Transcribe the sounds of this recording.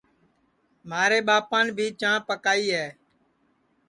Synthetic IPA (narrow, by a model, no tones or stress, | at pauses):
maːɾeːɓaːpãːnbʱiːt͡ʃãːpəkaːiːɦɛː